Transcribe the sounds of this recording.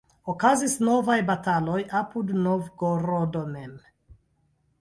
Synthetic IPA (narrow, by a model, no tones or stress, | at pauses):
okazisno̞vajbatalo̞jʔapudnovɡoɾodomem